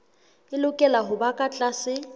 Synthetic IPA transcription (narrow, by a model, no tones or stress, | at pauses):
ɪlʊkʼɛlaɦʊbakʼat͡ɬʼasɪ